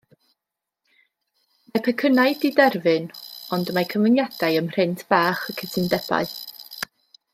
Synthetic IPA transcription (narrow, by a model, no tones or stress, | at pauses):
majpʰɛkʰənaɨdidɛrvɨnɔndmakʰənvənjadaɨəmr̥ɪntʰb̥aːχəkʰətʰɨndɛba̰ɨ